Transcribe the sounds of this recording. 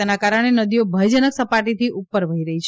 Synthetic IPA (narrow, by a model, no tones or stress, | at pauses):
enakaɾəɽ̃enəd̪ijobʱəjd͡ʒənəksəpaʈit̪ʰiʔupːəɾʋəɦiɾəɦit͡ʃʰ